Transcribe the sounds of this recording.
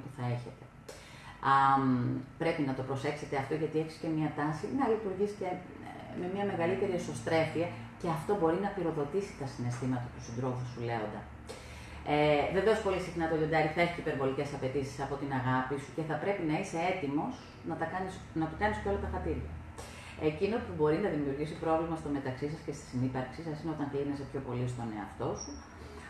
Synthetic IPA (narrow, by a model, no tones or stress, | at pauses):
puθɐe̞çe̞t̪e̞̥ | ɐmpɾe̞pinɐt̪o̞pɾo̞se̞kse̞t̪eɐft̪o̞ʝɐt̪ie̞çi̥sce̞miɐt̪ɐsinɐlit̪uɾʝisce̞ | me̞miɐme̞ɣɐlit̪e̞ɾieso̞st̪ɾe̞fiɐ | ce̞ɐft̪o̞bo̞ɾinɐpiɾo̞ðo̞t̪isi̥t̪ɐsine̞st̪imɐt̪ɐt̪usind̪ɾo̞fusule̞o̞nd̪ɐ | eðe̞ðosi̥po̞lisixnɐt̪oʝond̪ɐɾiθeçicipe̞ɾvo̞lice̞sɐpe̞t̪isi̥sɐpo̞t̪inɐɣɐpisuce̞θɐpɾe̞pinɐise̞e̞t̪imo̞s | nɐt̪ɐkɐnis | nɐt̪ukɐniscolɐt̪ɐfɐt̪iɾjɐ | e̞cino̞pubo̞ɾinɐðimiuɾʝisipɾo̞vlimɐst̪o̞me̞t̪ɐksisɐsce̞st̪i̥sinipɐɾksisɐsineot̪ɐŋklinese̞pço̞po̞lis̬t̪o̞ne̞ɐft̪o̞su